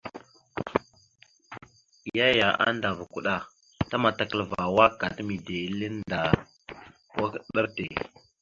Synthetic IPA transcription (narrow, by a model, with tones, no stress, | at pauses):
ja˦ja˨a̰˦nda˨va˨ku˨ɗa˦ | ta˦ma˨ta˨kə˦lva˨wa˦ka˨tmi˨de˨˦lə˦nda˨ | wʔa˦kɗa˦ɾte˨